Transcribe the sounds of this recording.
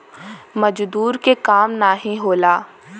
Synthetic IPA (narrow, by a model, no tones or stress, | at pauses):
mɐd͡ʒd̪uːɾkekaːmnaːɦĩɦoːlaː